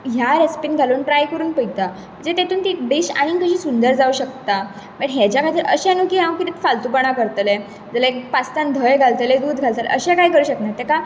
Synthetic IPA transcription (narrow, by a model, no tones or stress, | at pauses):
ɦjaɾespinɡʱaluːnʈɾajkəɾuːnpəit̪a | m̤ə̃ɳd͡zet̪et̪uːnt̪ibiɕa̰ɽ̃ikəɕiːsund̪əɾd͡zauːɕək̚t̪a | məɳɦed͡ʑjakajt̪əɾʔəɕãnukiːɦãwkit̪it̪falt̪upəɽ̃akəɾt̪əle | d͡zalaekpast̪ãnd̪ʱəjɡʱalt̪əled̪uːd̪ɡʱalt̪əlḛʔəɕɛ̃kaɦiːkəɾuːɕəknaɾt̪eka